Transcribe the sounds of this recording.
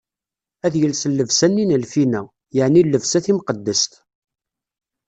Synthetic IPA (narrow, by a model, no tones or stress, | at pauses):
æðjəlsəlːəvsænːinəlfinæ | jəʕnilːəvsæθimqəd̪ːəst̪